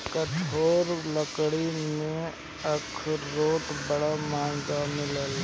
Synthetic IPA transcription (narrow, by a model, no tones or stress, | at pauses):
kəʈʰoːɾləkɽimẽ | əkʰɾoːʈbəɽamãːd͡ʒamɪləl